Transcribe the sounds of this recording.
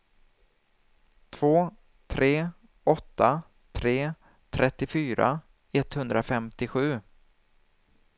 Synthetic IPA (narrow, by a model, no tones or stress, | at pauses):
t̪ʰv̥oː | t̪ʰɾeː | ɔt̪ːa | t̪ʰɾeː | t̪ʰɾʔɛt̪ːɪfyːɾa̰ | ɛt̪hɵnd̪ɾafɛmt̪ɪɧʉ̟ː